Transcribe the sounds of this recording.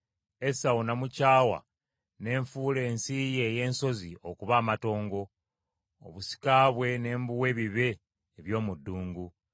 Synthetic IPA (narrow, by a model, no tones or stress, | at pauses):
e̞sawunamucaːwa̰ | ne̞ːɱfuːle̞ːnsije̞ːje̞ːnso̞zio̞kuβaːmato̞ːŋɡo̞̰ː | βusi̥kaːβwe̞ne̞ːmbuwe̞βiβe̞ː | βjo̞ːmudːuːŋɡu